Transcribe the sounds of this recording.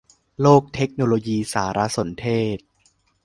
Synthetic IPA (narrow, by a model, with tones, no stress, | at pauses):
loː˥˩k̚t̪ʰe˦˥k̚noː˧loː˧jiː˧saː˩˦ɾa˦˥so˩˦nt̪ʰeː˥˩t̪̚